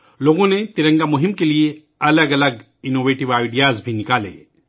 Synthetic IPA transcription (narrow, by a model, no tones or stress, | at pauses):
loːɡõnet̪ɪɾə̃ŋɡamʊɦɪmkelie | ɐləɡɐləɡ | ɪnoːʋeːʈɪʋaːɪɖijaːzbʱinɪkaːlḛː